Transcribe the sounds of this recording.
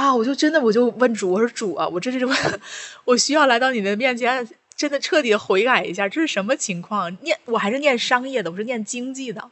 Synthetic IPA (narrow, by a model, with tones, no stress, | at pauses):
a˥˩wɔ˨˩t͡ɕjo˥˧ʊʈ͡ʂə˥nd̪ə˨wɔ˨˩t͡ɕjo˥˧ʊwə˥˩nʈ͡ʂu˨˩wɔ˨˩˥ʂɻ̩˥˩ʈ͡ʂu˨˩ɐ̰˦wɔ˨˩ʈ͡ʂə˥ə˥˧˥wɔ˨˩ɕy˥jɑ˥˩ʊla˧˥ɪt̪ɑ˥˩ʊni˨˩mə˦nə˦mjɛ˥˩nt͡ɕʰjɛ˧˥n˧ | ʈ͡ʂə˥nd̪ə˨ʈ͡ʂʰɤ˥˩t̪i˨˥d̪ə˧˦xwe˧˥ɪka˨˩ɪḭ˧˥ɕja˥˧ʈ͡ʂɤ˥˧ʂɻ̩˥˩ʂə˧˥nmə˧t͡ɕʰi˧˥ŋkʰwɑ˥˩ŋnjɛ˥˩nwɔ˨˩xa˧˥ɪʂɻ̩˥˧njɛ˥˩nʂɑ˥ŋjɛ˥˩d̪ə˩wɔ˨˩ʂɻnjɛ˥˩nt͡ɕi˥ŋt͡ɕi˥˩d̪ə̰˩